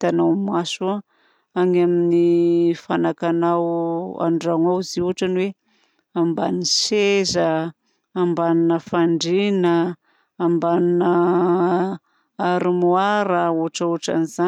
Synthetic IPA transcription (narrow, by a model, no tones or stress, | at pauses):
t̪anawmasu | aŋaminifanakanawa̰ɳɖ͡ʐaŋawziuɦaʈ͡ʂanwe | ambanisezəː | mbaninəfaɳɖ͡ʐinəː | mbaninə | aɾimuaɾauaʈ͡ʂauaʈ͡ʂa̰niza